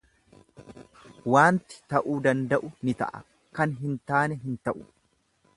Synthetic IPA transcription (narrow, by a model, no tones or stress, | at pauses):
waːnt̪ɪ̥t̪ɐʔuːd̪ɐnd̪ɐʔʊnɪt̪ɐ̰ʔɐ̰ | kɐnɦɪnt̪aːnɛɦɪnt̪ɐʔʊ̥